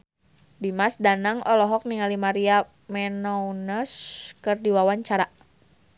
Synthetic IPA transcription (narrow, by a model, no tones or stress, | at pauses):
dimasdanaŋɔlɔɦɔk̚niŋalimaɾia | mɛnɔwnəskərdiwawaɲt͡ʃaɾa